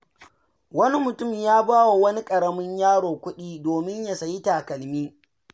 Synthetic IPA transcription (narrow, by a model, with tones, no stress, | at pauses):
wɐ˦ni˦mʊ˨tʊ˦˨mjaː˦baː˦wa˨wɐ˦ni˦kʼɐ˨ɽɐ˦mɪ˦ɲjaː˦ɽoː˨kʷʊ˦ɗiː˦doː˨mɪ˦ɲja˨sɐ˨ji˦taː˨kɐ˨lmiː˦